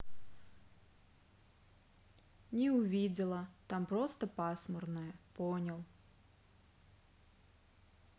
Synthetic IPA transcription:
nʲɛʊvʲid͡zʲɪlˠɐt̪ampɾɔst̪ɐpasmɔrnɨjɐpɔnʲɐlˠ

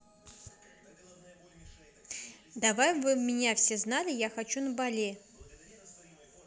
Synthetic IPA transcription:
d̪avajmvɨmʲɪnʲafsʲeznalʲɪjaxɐt͡ɕunəbalʲe

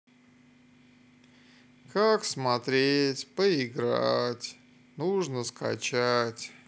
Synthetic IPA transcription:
kaksmɐt̪ɾʲetʲpəɪɡɾatʲ | nuʐnəska̰t͡ɕatʲ

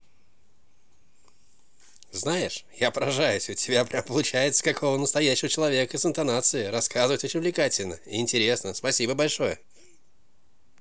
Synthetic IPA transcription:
znajɪʂjapəɾɐʐajʊsʲʊtʲɪbʲapɾʲampəlˠʊt͡ɕæjɪt̪sə̥kɐkʰo̞vənəst̪ɐjæɕːɪvət͡ɕɪlˠɐvʲe̞kəɪsɨnt̪ɐnat̪sɨɪɾɐskazɨvətʲot͡ɕʲɪnʲvlʲɪkatʲɪlʲnəɪɪnʲtʲɪɾʲe̞snəspɐsʲibəbɐlʲʂo̞jə

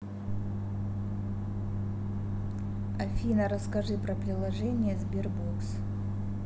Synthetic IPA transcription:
ɐfʲinəɾəskɐʐɨpɾəpɾʲɪlˠɐʐɛnʲɪjəzbʲirboks

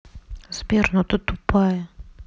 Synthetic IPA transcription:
z̥vʲernut̪ət̪ʊpajə

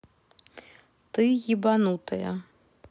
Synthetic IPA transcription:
t̪ɨɣʲibanut̪ɐjɐ̰

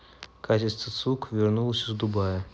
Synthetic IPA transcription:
kat͡ɕɪst̪vət̪sukvʲɪrnulˠəsʲɪzd̪ʊbajə

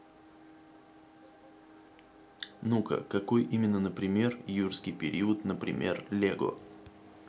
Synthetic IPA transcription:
nukə̰kɐko̞jʔimʲɪnːənəpɾʲɪmʲe̞rjurskʲɪjpʲɪɾʲiət̪nəpɾʲɪ̰mʲʔe̞̰rlʲeɡo̰

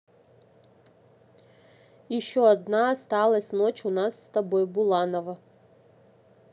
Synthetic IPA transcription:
iʃoad̪nast̪alˠɐsʲnot͡ʃunasːt̪abojbulˠanovɐ

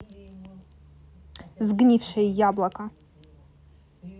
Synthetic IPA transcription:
zɡnʲifʃajjablakʼʰa

